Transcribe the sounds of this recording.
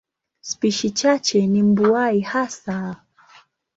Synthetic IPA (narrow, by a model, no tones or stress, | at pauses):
spiʃit͡ʃat͡ʃɛnim̩buaihasa